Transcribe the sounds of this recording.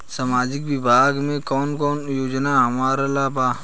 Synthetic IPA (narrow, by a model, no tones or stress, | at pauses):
saːmaːd͡ʒɪkʋɪbʱaːɡmẽkɔːnkɔːnjoːd͡ʒnaɦɐmaːɾəlaːbaː